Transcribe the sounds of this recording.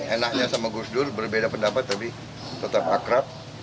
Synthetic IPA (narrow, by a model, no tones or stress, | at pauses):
enak̚ɲasamaɡusdʊrbərbedapəndapat̪ːapi | t̪ət̪ap̚akɾap̚